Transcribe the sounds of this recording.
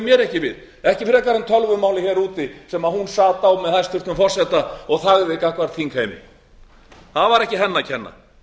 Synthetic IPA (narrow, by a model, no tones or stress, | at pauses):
mjɛɾɛhcɪvɪð | ɛhcɪfɪɾɛkaɾant̪ʰœlvʏmaːwlɪçɛɾuːt̪ɪsɛmaðhunsaːt̪awmɛðθajst̪ʰʏr̥t̪nʏmfɔr̥sɛt̪aɔɣθaɣvɪkahkvaɾ̥t̪ʰiŋkʰhejmɪ̰ | θaðvaɾɛhcɪɦɛnːacʰɛnːa̰